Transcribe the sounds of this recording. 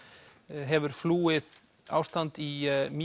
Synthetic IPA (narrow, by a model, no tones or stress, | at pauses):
ɦɛvʏɾ̥fluːɪð | a̰ːwst̪ant̪imi